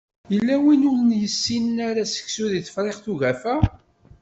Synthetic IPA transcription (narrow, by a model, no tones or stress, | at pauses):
jəlːæwinunnjəsːinnæɾæsə̥çsuðiθə̥fɾˤeχθuʝæfæ